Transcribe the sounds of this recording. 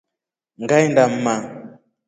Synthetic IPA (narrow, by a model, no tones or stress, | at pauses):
ŋɡajndam̩ma